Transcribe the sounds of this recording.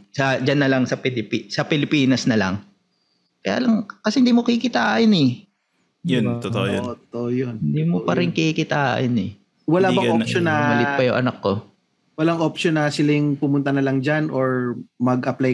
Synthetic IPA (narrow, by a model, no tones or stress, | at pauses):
sɐd͡ʒanːɐlɐŋsɐpɪlɪpisɐpɪlɪpiːnɐsnɐlɐŋ | kɐja̰ːlɐŋkɐsɛhɪnd̪iːmokɐikɪt̪aːʔɪnɛ | jʊnt̪ot̪o̰ʔojoʔt̪t̪oʔojonhɪnd̪imopɐɾɪŋkeikɪt̪aːʔɪ̰nɛ | wɐlabɐʔoʃonːɐmalɪpɐjʊŋʔɐ̰nakːo̞ | wɐlaŋʔopʃonɐsɪlajʊŋpʊmʊnt̪ɐnɐlɐŋd͡ʒanʔoɹmɐɡʔɐplaj